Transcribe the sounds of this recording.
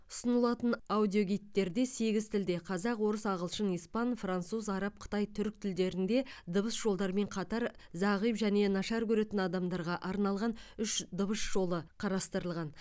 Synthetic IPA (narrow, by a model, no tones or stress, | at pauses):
ʊ̥sənəlˠɑt̪ənawd̪ʲijo̞ɡʲijt̪ːe̞ɾd̪e̞se̞ɡʲɪzt̪ʰɪld̪e̞qʰɑzɑqwo̞ɾəsɑʁəlˠʃənijspɑnfrant̪suzɑɾɑp̚qʰə̥t̪ɑjt̪ʰʏɾk̚t̪ʰɪld̪e̞ɾɪnd̪e̞d̪əbəsʒ̥o̞lˠd̪ɑɾme̞ɴqʰɑt̪ɑɾzɑʁijpʒæne̞nɑʃɑɾkʰʲɵɾe̞t̪ɪnɑd̪ɑmd̪ɑɾʁɑʔɑɾnɑlˠʁɑnʏʃd̪əbəsʒ̥o̞lˠəqʰɑɾɑst̪əɾəlˠʁɑn